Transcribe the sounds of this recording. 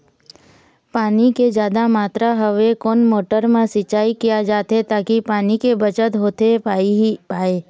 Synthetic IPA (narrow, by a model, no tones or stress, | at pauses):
paːniked͡ʒjaːd̪amaːt̪ɾaɦəʋekoːnmoːʈəɾmãsɪt͡ʃaːikijad͡ʒaːt̪et̪aːkipaːnikebət͡ʃət̪ɦoːt̪epaːipaːeː